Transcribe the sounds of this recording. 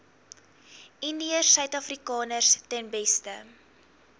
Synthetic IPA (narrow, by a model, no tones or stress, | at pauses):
indiərsœɥtɐfrikɑːnərstɛnbɛstə